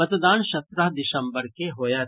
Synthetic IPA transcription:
ɐt̪d̪aːnʃɐt̪ɾəɦd̪ɪʃə̃mbəɾkeɦoːja

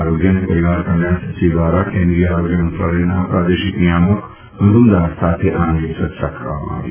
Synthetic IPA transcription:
aɾoːɡjɐnːepɐɾiʋaːɾkɐɳjaːssibaːɾakeːnd̪ɾiaːɾoːɡjɐmɐnsɾa̰ːɾenapɾaːd̪eːʃiknijaːmok | mɐd̪ʱumd̪aːɾsaːt̪ʰeʔaːnɡisɐt̪ʃa̰kʰɐɾʋa̰ma̰ːʋḛ

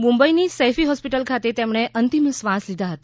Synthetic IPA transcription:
mũmbəinisefiɦɔspiʈəlkʰat̪et̪emɽ̃eʔənt̪imsʋãslid̪ʱaɦət̪a

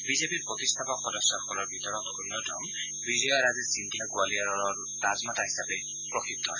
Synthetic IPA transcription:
bizepiɹpɹɔt̪ist̪ʰapɔkxɔdɔsaɹkʰɔlɔɹbʱit̪ɔɹɔt̪onjɔtɔ̰m | bizɔjaɹazɛsindiaɡualiaɹɔɹɔɹ | d̥azmataɦisapɛ | pɹɔxik̚t̪ʰɔɦɔj

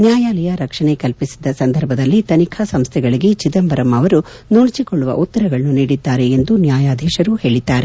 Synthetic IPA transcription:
njaːjaːlɐjɐɾɐkʂɐɳe̞kɐlpisi̥d̪ːɐsɐnd̪ʱɐɾbʱɐd̪ɐlːit̪ɐnikʰɐsɐmst̪ʰɛɡɐɭiɡe̞t͡ʃid̪ɐmbɐɾɐmɐʋɐɾunoːɭit͡ʃikoɭːuʋɐ̰ʔut̪ːɐɾɐɡɐɭɐnuniːɽid̪ːaːɾeːnd̪unjaːjaːd̪ʱɛːʃɐɾuhe̞ːɭid̪ːaːɾe̞

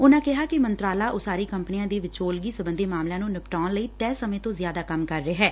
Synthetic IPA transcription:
ʊnãːkɪɦaːkɪmənt̪ɾaːlaːʔoːsaːɾiːkəmpniãːd̪eːʋɪt͡ʃoːlɡiːsəbə̃nd̪eːmaːmlãːnũːnɪpʈaːnləiːt̪ɛːsəmẽːt̪õːzjaːd̪aːkəmkəɾːeːɦɛː

